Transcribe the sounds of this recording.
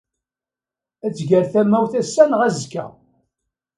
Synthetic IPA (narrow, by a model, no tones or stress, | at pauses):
æt͡sːʝəɾθæmːæwθæsːænʁæzkːæ̰